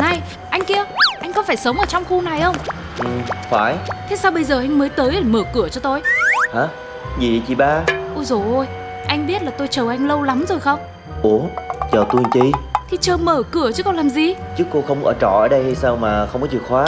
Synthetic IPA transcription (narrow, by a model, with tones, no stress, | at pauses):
na˧˩j | ʔa˧jŋ̟ki˧əʔa˧jŋ̟kɔ˨˦faː˧˩jsə˨˦wŋ͡mʔəː˧˩t͡ɕɔ˧wŋ͡mxu˧na˨˩jxə˧wŋ͡m | ʔɨ˨˩faː˧˩jt̪ʰe˨˦saː˧wɓə˧jzəː˨˩ʔa˧jŋ̟məː˨˦jt̪əː˨˦jɗe˨˩məː˧˩kɨ˧˩ət͡ɕɔ˧t̪o˧jhaː˨˦ | zi˨˩˨t͡ɕi˨˩ɓaː˧ʔo˧˩zo˨˩ʔo˧j | ʔa˧jŋ̟ɓi˦˥t̚laː˨˩t̪o˧jt͡ɕəː˨˩ʔa˧jŋ̟lə˧wla˨˦mzo˨˩jxə˧wŋ͡m | ʔo˨˩˦t͡ɕəː˨˩t̪u˧˩˧ŋt͡ɕi˧t̪ʰi˨˧˩t͡ɕəː˧˩məː˧˩kɨ˧˩ət͡ɕɨ˦˥kːɔ˧nlaː˨˩mzi˨˩t͡ɕɨ˦˥kːo˧xə˧wŋ͡mʔə̰ː˧˩t͡ɕɔ̰˧˩ʔəː˧˩ɗə˧jha˧jsaː˧wmaː˨˩xə˧wŋ͡mkɔ˨˦i˨˩ək̚xwaː˨˦